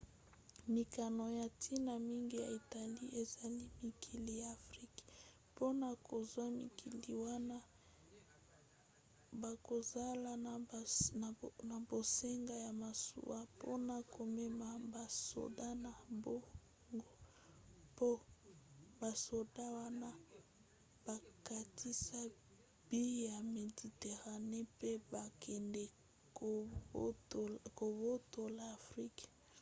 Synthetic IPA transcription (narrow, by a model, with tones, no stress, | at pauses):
mi˨ka˨no˨ja˨tʰi˦na˨mi˦ŋɡi˦ja̰˨i˨ta˨li˦ʔe˨za˨li˦mi˨kʰi˨li˨ja˨fʁi˦k | po˦na˨kʰo˨zwa˦mḭ˨kʰi˨li˨wa˦na˦ | ba˨ko˨za˦la˨ | na˨bo˨se˦ŋɡa˦ja˨ma˨sṵ˦wa˦po̰˦na˨ko˨mɛ˦ma˨ba˨so̰˨da˦na˨bo˦ | ŋɡo˦ | po˦ | ba˨so˨da˦wa˦na˦ | b̥a˨ka˨ti˦sa˦ | b̥i˦ja˨me˨di˨te˨ʁa˨ne˦pe˦ba˨kʰɛ˨nde˨˦˨ | ko˨bo˦to˨laː˨fʁi˦k